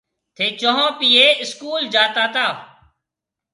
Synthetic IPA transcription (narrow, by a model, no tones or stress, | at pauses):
t̪ʰeːt͡ʃoɦõːpiːeːɪskuːld͡ʒaːt̪aːt̪aː